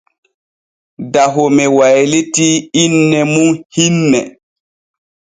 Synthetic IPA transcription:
daɦɔmɛwajlitiːnːɛmunhinːɛ

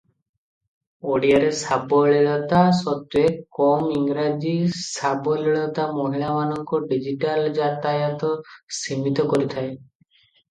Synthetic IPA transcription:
oɽijaɾesabɔɭeɭɔt̪asɔt̪ːuekɔmiŋɾad͡ʒisabɔleɭɔt̪amoɦiɭamanɔŋkɔɖid͡ʒiʈald͡ʒat̪ajat̪ɔsimit̪ɔkɔɾit̪ʰae

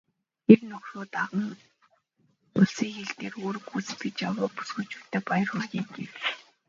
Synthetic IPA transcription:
ernɵxroːt̪aʁə̆ŋ | ʊɮsiːŋxeɮt̪eːroːɾɵkut͡st̪ɡet͡ɕjawʊːpu̥sɡut͡ɕu̥ːt̪ʰːeːpajə̆rxʊɣʲiːŋɡewt͡ɕ

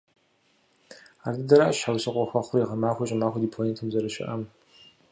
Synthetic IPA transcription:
aːrdɨdɐɾaʔɐɕħawsɨqʷʼɔxʷɐχʷʊriːʁɐmaːxʷɐɕʼɪmaːxʷɐdiːpʰonetʰɨmzɐɾɨʃɪ̰ʔɐm

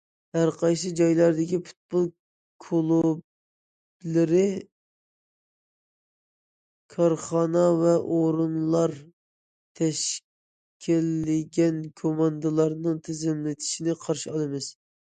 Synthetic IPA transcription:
hæɾqʰɑjs̬ɨd͡ʒɑjlˠɑɾd̪ɪkʲipʰu̥t̪̚bulˠ | kʰolˠub̚ | lɪɾɪ | kʰɑɾχɑnɑvɛʔoɾɨnlˠɑɾ | t̪ʰɛʃ | kʲʰilːɪɡʲɛnkʰomɑnd̪ɨlˠɑɾnɨŋt̪ʰɪzɪmlɪt̪ʰi̥ʃinɪqʰɑɾʃiɑlˠɨmɪz̥

